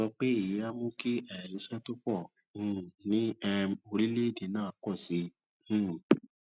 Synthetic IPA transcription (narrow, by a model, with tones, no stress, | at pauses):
ɔ˧k͡pe˦i˦˨ji˨˦a˦mõ˦ki˦ɛ˦˨ɾi˨˧˦ʃɛ˦to˦k͡pɔ̃˦˨ | nĩ˦ɛ˧o˧ɾi˦le˦˨de˨nãː˦˨kɔ˦˨sĩ˨˦˨